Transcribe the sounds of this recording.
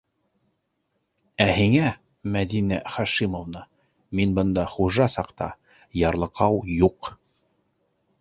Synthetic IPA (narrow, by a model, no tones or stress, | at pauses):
æhiŋæ | mæd̪inæχɑʃimovnɤ | minbɤ̆nd̪ɑχuʒɑsɑqt̪ɑ̰ | jɑɾlˠɤ̆qɑwjuq